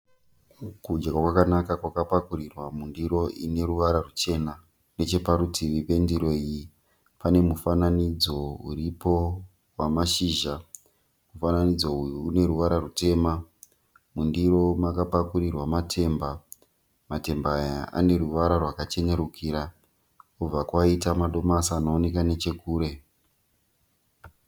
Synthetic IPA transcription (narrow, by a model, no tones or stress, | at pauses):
kud͡ʒakakwakanakakwakapakurirwamundiro̞ʔine̞ruʋaɾarut͡ʃe̞na | ne̞t͡ʃe̞paɾutiripe̞ndiɾo̞iji | pane̞mufananid͡zo̞uripo̞ | wamaʃiːʒa | mufananid͡zo̞ujuːne̞ɾuʋaɾarute̞ːma | mundiro̞makapakurirwamatʰe̞ːmba | mate̞mbaːjaʔa̰ne̞ruʋaɾarwakat͡ʃe̞ne̞ɾukʰiːɾa | kub͡vakwaitamaɗo̞masaːnoːnekane̞t͡ʃe̞kuːɾe̞